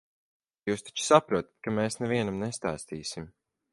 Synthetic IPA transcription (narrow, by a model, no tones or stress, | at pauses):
juːst̪ḁt͡ʃu̥sapɾuɔt̪ḁt̪̚kameːsnɛviɛnamnɛst̪a̰ːst̪iːsim